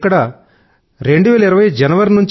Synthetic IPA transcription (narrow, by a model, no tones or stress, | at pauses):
kɐɽa | ɾeɳɖuʋeːɭɐiɾɐʋɐjd͡ʑɐnɐʋɐɾnuɲt͡ɕ